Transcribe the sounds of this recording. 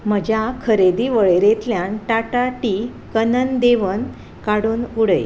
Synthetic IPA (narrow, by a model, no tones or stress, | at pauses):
m̤əd͡ʑjakʰəɾed̪iːʋəɭeɾet̪ljanʈaʈaʈi | kənənd̪eʋən | kaɽuːnuɽəj